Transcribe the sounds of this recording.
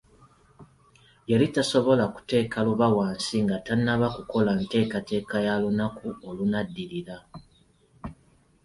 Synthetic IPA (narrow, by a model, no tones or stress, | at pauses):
jelitaso̞βo̞laku̥te̞ːkaluβawaːnsiŋɡatanːaβakuko̞lante̞ːkate̞ːkajalunakuolunadːiɾiɾa